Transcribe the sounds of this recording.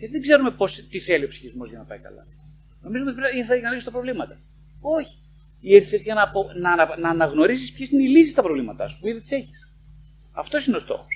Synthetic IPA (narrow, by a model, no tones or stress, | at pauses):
jɐt̪iðeɡze̞ɾume̞po̞st̪iθe̞lio̞psi̥çizmo̞zʝɐnɐpɐ̰jkɐ̰lɐ̰ | no̞mizuot̪ipeiθɐʝɐnɐliçst̪ɐpɾo̞vlimɐt̪ɐ | o̞çi̥ | ieɾθiezʝɐnɐponɐnɐnɐːnɐɣno̞ɾisispçesineilisist̪ɐpɾovlimɐt̪ɐsu̥puiðit̪i̥se̞çis | ɐft̪o̞sinest̪o̰xo̥s